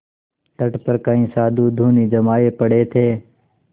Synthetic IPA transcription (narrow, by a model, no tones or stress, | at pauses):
ʈəʈpəɾkaːĩːsaːd̪ʱuːd̪ʱuːniːd͡ʒəmaːeːpəɽeːt̪ʰeː